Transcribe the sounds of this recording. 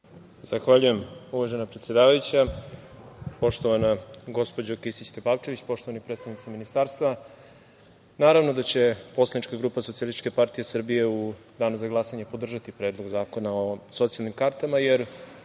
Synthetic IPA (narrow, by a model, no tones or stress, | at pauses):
z̥axʋaːʎuje̞muʋaʒenapɾet̪sjed̪aːʋajut͡ɕa | po̞ʃt̪o̞ʋanaɡo̞spo̞d͡ʑokisit͡ɕt̪epaːlt͡ʃe̞ʋit͡ɕpo̞ʃt̪oʋanipɾet̪st̪aʋnit̪siminist̪aːɾst̪va | naːɾavnod̪at͡ɕe̞poslˠadnit͡ʃkaɡɾuːpasosialisit͡ʃke̞paɾt̪ije̞sr̩bije̞u | d̪aːnuzaɡlˠasaɲepo̞d̪r̩ʒat̪ipɾe̞ːd̪lˠo̞ɡzaːko̞naoso̞t̪sijalnimkaɾt̪amaje̞ɾ